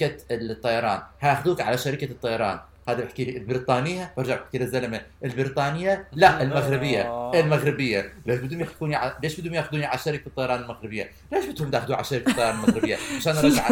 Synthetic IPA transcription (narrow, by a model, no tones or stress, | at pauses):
at̪ˤːɑjɑɾˤɑːnhaʔxd̪uːkʕalaʃaɾɪkat̪ˤːɑjɑɾˤɑ̰ːn | haːðabɪħakiːlilbɪɾiːt̪ˤɑːnɪjːabɪɾˤd͡ʒaʕbħkilazːalamaʔɪlbɪɾiːt̪ˤɑːnɪjːalaɪlmaɣɾɪbɪjːaɪlmaɣɾɪbɪjːaleʃbɪd̪umjaxduːniʕaleːʃbɪd̪umjaːxʊd̪uːniʕalaʃaɾɪkbit̪ˤːɑjɑɾˤɑːnɪlmaɣɾɪbɪjːa | leːʃbɪt̪hʊmd̪axd̪uːʕa̰laʃaɾɪkḁt̪ˤːɑjɑɾɑnlmaɣɾɪbɪjːaʕaʃaːnʔɾˤɑɡaʕ